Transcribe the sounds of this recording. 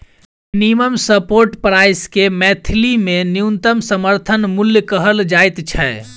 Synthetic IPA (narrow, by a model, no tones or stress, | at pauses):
mminiməmsəpoɾʈpɾajskemɛt̪ʰilimenijunt̪əmsəməɾt̪ʰənmuljəkəɦəld͡ʒajt̪t͡ʃʰɛ